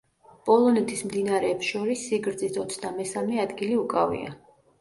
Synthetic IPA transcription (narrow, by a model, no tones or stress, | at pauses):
pʼɔlˠɔnɛt̪ʰismd̪inaɾɛːpsʃɔɾisːiɡɾd̪zisɔt̪sʰd̪amɛsamɛad̪ɡiliukʼavḭa̰